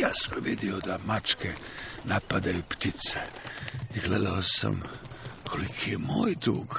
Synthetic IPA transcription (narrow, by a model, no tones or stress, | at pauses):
jaːsamʋid̪iod̪amat͡ʃkɛnapad̪ajupt̪it̪sɛiɡleːd̪aosa̰mkʰolikʰijɛmoːjd̪ɾṵːɡ